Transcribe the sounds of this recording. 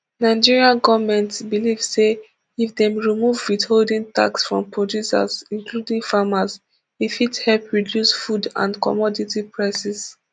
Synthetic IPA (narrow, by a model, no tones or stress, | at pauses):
naɪd͡ʒiɹiãnɡɔvamɛ̃ntsbilivse | ifdɛ̃mɹimuvwitholdĩŋta̰ksfɹɔ̰̃mpɹɔdjusa̰zĩŋkludĩŋfamaz | ifithɛlpɹidjusfudã̰nkɔ̰mɔditipʰɹaɪsɛs